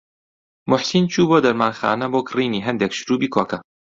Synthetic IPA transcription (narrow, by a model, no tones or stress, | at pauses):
mʊħsint͡ʃʰuːboːd̪ɐɾmaːnxa̰ːnɐboːkʰɨriːniːɦɐnd̪ekʃɾuːbiːkʰoːkɐ